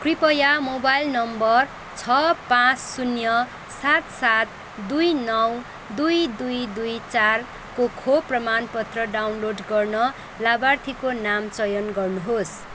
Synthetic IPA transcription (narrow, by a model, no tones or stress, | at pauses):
kripʌjamobajlnʌmbʌr | t͡sʰʌpãt͡ssunjʌ | sat̪sat̪ | d̪ujnʌw | d̪ujd̪ujd̪ujt͡sar | kokʰoprʌmanpʌt̪rʌɖawnloɖɡʌrnʌ | labart̪ʰikonamt͡sʌjʌnɡʌrnuɦos